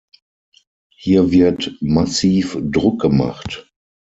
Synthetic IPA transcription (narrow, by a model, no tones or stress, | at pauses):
hiːɐvɪɐtmasiːfdʁʊk̚ɡ̥əma̰χt